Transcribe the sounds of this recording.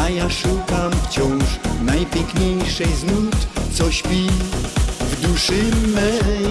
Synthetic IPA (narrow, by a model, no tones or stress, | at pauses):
ajaʂukamft͡ɕɔ̃w̃ʂnajpʲjɛŋkɲejʂɛjznut̪t̪sɔɕpʲi | vd̪uʂɨmɛ